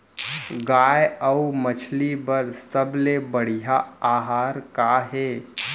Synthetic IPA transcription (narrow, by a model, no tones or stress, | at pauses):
ɡaːjəumət͡ʃʰlibəɾsəblebəɽ̤ijaaːɦaːɾkaɦe